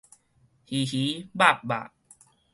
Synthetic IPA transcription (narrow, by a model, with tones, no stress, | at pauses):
hi˨hi˨˦ba˥˨p̚ba̰˨ʔ